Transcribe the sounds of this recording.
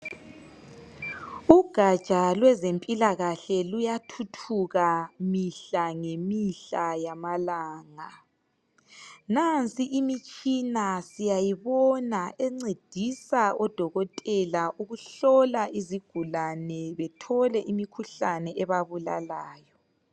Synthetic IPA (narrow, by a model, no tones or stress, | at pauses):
uɡ̥ʱḁt͡ʃʼalwɛzempʼilaɣaɬɛlujatʰutʰuɣamiɬaŋemiɬajamalaːŋa | nant͡sʼiʔimit͡ʃʼinasijajiβɔnaʔeŋ͡ǀed̥ʱisaɔd̥ʱɔɣɔtʼɛlaʔuɣuɬɔlaʔiziɡ̥ʱulanɛβɛtʰɔlɛʔimikʰuɬanɛʔɛβaβula̰laːjɔ